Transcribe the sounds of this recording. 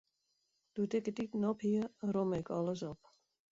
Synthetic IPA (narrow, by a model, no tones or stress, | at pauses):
d̥utɪkətitənɔphiəromɪkʰɔləs̬ɔp